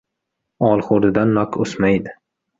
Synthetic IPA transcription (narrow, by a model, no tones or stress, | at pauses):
ɒlˠχoɾd̪ɪd̪anːɒkʰosmajd̪ɪ